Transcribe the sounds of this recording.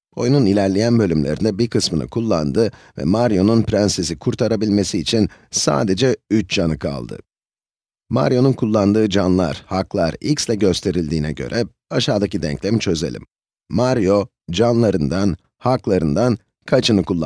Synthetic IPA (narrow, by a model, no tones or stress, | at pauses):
o̞jununilʲæɾlʲijænbølʲymlʲeɾḭnd̪ɛbiɾkɯsmɯnɯ̰kʰulˠːa̰nd̪ɯ | vɛ̰maɾjo̞nunpɾænsezikʰuɾt̪ʰaɾabilʲme̞siːt͡ʃʰinsa̰ːd̪e̞d͡ʒɛyt͡ʃd͡ʒanɯkʰa̰lˠd̪ɯ̰ | ma̰ɾjo̞nunkʰulˠːand̪ɯːd͡ʒanlˠa̰ɾ̥haklˠaɾicslʲɛɟø̞st̪ʰe̞ɾilʲd̪iːnɛɟø̞̰ɾʔɛ | aʃaːd̪acid̪ɛ̰ɲclʲɛmt͡ʃʰø̞zelʲḭm | maɾjo̞ | d͡ʒanlˠaɾɯnd̪an | haklˠaɾɯnd̪an | kʰat͡ʃʰɯnɯkʰulˠːa